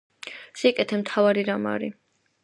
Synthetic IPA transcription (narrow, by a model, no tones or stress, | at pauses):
sikʼɛt̪ʰɛmt̪ʰavaɾiɾama̰ɾi